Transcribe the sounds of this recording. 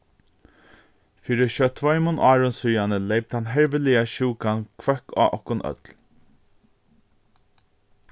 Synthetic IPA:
fiːɾɪʃœt̪ʰvɔʏmʊnʔaːɹʊnsʏjanəleːjp̚t̪hanɦɛɹvɪliaʃuːkankʰvœka̰ːʔɔ̰hkʊnʔœ̰t̪l

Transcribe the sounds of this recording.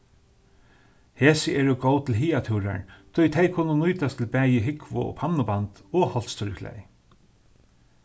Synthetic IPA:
heːsɪʔɛːɹʊɡowt̪ʰɪlɦiːat̪ʰuwɾa̰ɹt̪ʰʊjt̪ʰejkʰʊnːʊnujt̪ast̪ʰɪlbæːjɪɦɪkvʊ̰ɔ̰pʰannʊbant̪ɔhɔlt̪st̪ʰʏɹklɛ̰j

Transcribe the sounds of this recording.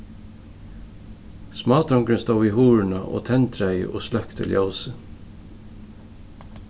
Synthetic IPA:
smɑːt̪ʰɾɔmkɾɪnst̪ɑːiːhuːɹɳ̩ɑʔo̰ːt̪ʰɛnt̪ʰɾæɪə̰ʔo̰ːslœkt̪ʰɪ̰ljɑʊsə

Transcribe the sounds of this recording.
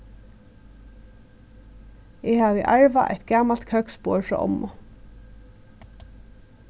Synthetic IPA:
ɛhaːʋiːʔaɹʋaʔɛ̰jt̪ɡaːmalt̪kʰœkspoːɹfɹɔ̰ːʔɔ̰mːʊ

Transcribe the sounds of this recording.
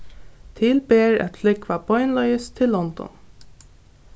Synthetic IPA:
t̪ʰɪlbeːɹɛ̰t̪flɪkʋabɔʏnlɔʏəst̪ʰːɪlːɔnd̪ɔ̰n

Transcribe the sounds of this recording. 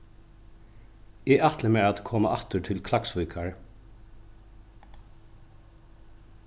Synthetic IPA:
ɪat̪ləmɛat̪kʰɔːmaʔɑht̪ʏɹt̪ʰɪlkʰlaksvujkʰaɹ

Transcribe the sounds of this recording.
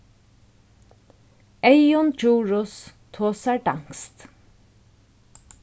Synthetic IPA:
ɛjʊnd͡ʒuːɹʊs | t̪ʰoːsaɹɖaŋ̥kst̪

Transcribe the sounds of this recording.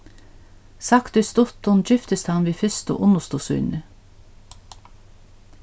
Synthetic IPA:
sɑkt̪ʉst̪ʊt̪ɔnd͡ʒʏft̪əst̪ʰɑnʋiːfʏst̪o̰ʔʊnəst̪uːsʉ̰ːnə

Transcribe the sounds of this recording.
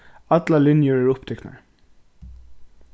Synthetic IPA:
at̪lalɪnjʊɹæɹʊpt̪ʰɛkna̰ɹ

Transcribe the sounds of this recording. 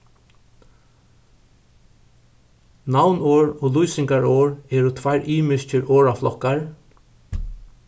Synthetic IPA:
nawnoːɹɔːlujsɪŋkaɹoːɹɛːɾʊt̪ʰvajɹʔiːmɪscəɾʔoːɹaflɔkːaɹ

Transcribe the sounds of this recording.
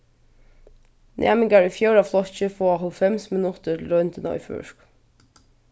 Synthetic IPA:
nʔæ̰ːmɪŋɡaɹyfjœːɹaflɔçəfoːaɦɔlfɛmsmɪnʊt̪əɾɾœnt̪ʰɪnɔ̰ʏfʏ̰ʂk

